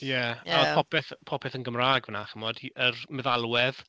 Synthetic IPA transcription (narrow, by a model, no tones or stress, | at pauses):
jɛapʰɔpʰɛθpʰɔpʰɛθənɡəmraːɡvənaχəmɔd̥iʔərmɛðalˠwɛð̥